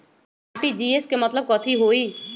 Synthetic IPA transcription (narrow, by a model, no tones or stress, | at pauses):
aːʈiːd͡ʒiːeskemət̪ləb̚kɔt̪ʰiɦoːiː